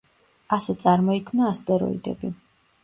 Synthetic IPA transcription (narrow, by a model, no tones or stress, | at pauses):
asɛt̪sʼaɾmɔikʰmnaːst̪ʼɛɾɔ̰ḭd̪ɛ̰bi